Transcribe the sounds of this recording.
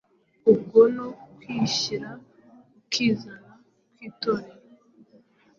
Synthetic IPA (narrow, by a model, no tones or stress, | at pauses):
ub̚ɡonokwiːʃiɾa | ukʰiːzana | kwitoɾe